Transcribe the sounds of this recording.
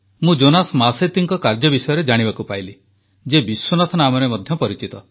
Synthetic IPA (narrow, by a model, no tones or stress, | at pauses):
mũd͡ʒonasmaset̪iŋkɔkaɾd͡ʒɔbisɔjɔɾed͡ʒaɽ̃ibakupajli | d͡ʒebiswonɔt̪ʰɔnamɔɾemɔd̪ʱjɔpɔɾit͡ʃit̪ɔ